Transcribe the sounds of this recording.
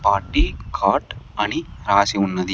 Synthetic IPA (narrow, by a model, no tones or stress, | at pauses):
paːʈːikʰaːʈɐniɾaːsiʊnːɐðɪ